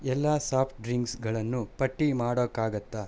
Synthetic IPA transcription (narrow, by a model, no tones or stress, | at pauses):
ɛlːasaːpʰʈɖɾiŋɡsɡɐɭɐnːupɐʈːimaːɽokːaːɡɐt̪ːa